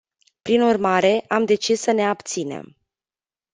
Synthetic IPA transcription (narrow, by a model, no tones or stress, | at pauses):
pɾinurmaɾe̞ʔamd̪e̞t͡ʃisːəne̞apt̪sine̞̰m